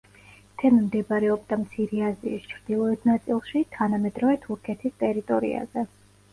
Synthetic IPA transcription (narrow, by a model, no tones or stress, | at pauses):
t̪ʰɛnmd̪ɛbɾɛɔb̚d̪amt̪sʰiɾɛaziḭst͡ʃʰɾd̪̥ilˠɔɛt̪ʰnat̪sʼilˠʃit̪ʰanamɛd̪ɾɔvɛt̪ʰuɾkʰɛt̪ʰist̪ʼɛɾit̪ʼɔɾḭa̰zɛ